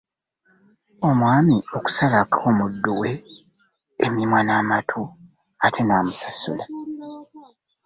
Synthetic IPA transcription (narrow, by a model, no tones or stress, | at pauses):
o̞mwaːmio̞ku̥salakʰo̞ːmudːuweː | mimwanaːmatʰo | atʰe̞naːmusasṵla